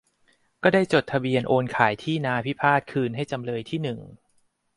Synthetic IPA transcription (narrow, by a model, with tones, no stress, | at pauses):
kɔː˥˩daː˥˩jt͡ɕo˨˩t̪ʰːa˧bi˧ənʔoː˧nkʰaː˩˦jt̪ʰiː˥˩naː˧pʰi˦˥pʰaː˥˩t̪̚kʰɯː˧nɦa˥˩jt͡ɕa˧mɾɤː˧jt̪ʰiː˥˩nɯ˨˩ŋ